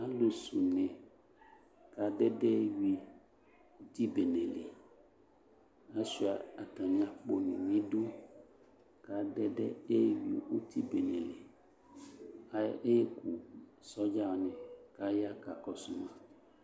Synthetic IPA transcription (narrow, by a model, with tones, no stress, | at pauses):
a˦lo˨su˨nɛ̃˨ | ka˨ɖɛ˦ɖɛ˦ji˨ | wo˦t̪i˦be˨nɛ̃˨le˨ | a˦si˦a˨a˨t̪a˨mĩ˦a˨k͡po˨nḛ̃˨mĩ˦ɖu˦ | ka˨ɖɛ˦ɖɛ˦e˦wḭ˨wo˦t̪i˦be˨nɛ̃˨le˨ | a˦e˦ku˨sɔ˦d͡ʒa˦˨nɛ̃˨ka˦ja˦ka˨kɔ˨su˨mã˦